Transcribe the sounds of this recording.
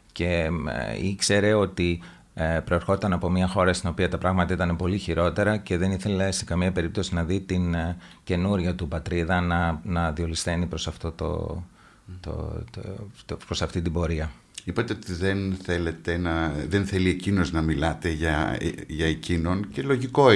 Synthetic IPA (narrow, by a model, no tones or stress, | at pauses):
ce̞ | ikse̞ɾe̞o̞t̪i | pɾo̞e̞ɾxo̞t̪ɐnɐpo̞mɲɐxo̞ɾɐst̪ino̞piɐt̪ɐpɾɐɣmɐt̪ɐit̪ɐne̞po̞liçiɾo̞t̪e̞ɾɐce̞ðe̞niθe̞lese̞kɐmiɐpe̞ɾip̚t̪o̞sinɐðit̪in | ce̞nuɾʝɐt̪upɐt̪ɾiðɐnɐnɐðio̞list̪e̞nipɾo̞sɐft̪o̞t̪o̰ | t̪o̰ | pɾo̞sɐft̪int̪ibo̞ɾiɐ | ipɐt̪eo̞t̪iðe̞nθe̞le̞t̪e̞nɐðenθe̞lie̞cino̞znɐmilɐt̪e̞ʝɐʝɐecino̞nce̞lo̞ʝiko̞